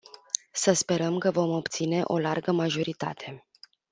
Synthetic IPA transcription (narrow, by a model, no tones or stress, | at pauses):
səspe̞ɾəmkəvo̞mo̞pt̪sine̞ʔo̞̰larɡəmaʒo̞ɾit̪a̰t̪ʰe̞